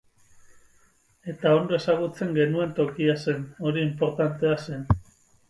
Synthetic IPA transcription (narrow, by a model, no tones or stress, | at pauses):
e̞t̪ao̞nd̪oe̞saɣ̞ut͡se̞ŋɡe̞nue̞nt̪o̞kiase̞no̞ɾiːmpo̞ɾt̪ant̪e̞ase̞n